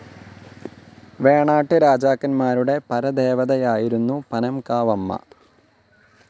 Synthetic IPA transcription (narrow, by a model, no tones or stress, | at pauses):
ʋeːɳaːʈːɨɾaːd͡ʑaːkːɐnmaːɾuɽe̞pɐɾɐd̪eːʋɐðɐjaːjiɾunːupɐnɐmkaːʋɐmːɐ̰